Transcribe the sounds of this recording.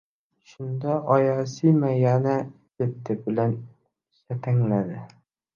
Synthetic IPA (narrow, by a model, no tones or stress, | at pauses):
ʃʊnd̪aʔɒjasimajana | ket̪ʰːɪbɪlan | ʃat̪ʰaŋlad̪ɪ